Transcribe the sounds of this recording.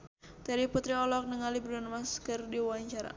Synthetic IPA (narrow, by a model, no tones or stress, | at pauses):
t̪ɛɾiput̪ɾiɔlɔk̚nəŋalibɾɔnmaskərdiwaɲt͡ʃaɾa̰